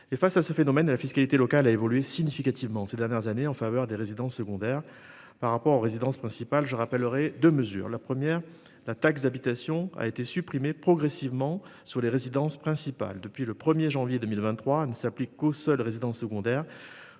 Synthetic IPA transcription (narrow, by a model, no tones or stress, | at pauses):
efasasəfenɔmɛnlafiskalit̪elɔkalaevɔlyesiɲifikat̪ivmɑ̃sed̪ɛʁnjɛʁzaneɑ̃favœʁd̪eʁezid̪ɑ̃sːəɡɔ̃d̪ɛʁ | paʁːapɔʁoʁezid̪ɑ̃spχɛ̃sipalʒəʁapɛlʁɛd̪øməzy̰ːʁlapχəmjɛʁ | lat̪aks̬d̪abit̪asjɔ̃a̰et̪esypχimepχɔɡʁesivmɑ̃syʁleʁezid̪ɑ̃spχɛ̃sipa̰ld̪əpɥiləpχəmjeʒɑ̃vjed̪əmilvɛ̃t̪ːχwanəsaplikːosœlʁezid̪ɑ̃sːəɡɔ̃d̪ɛʁ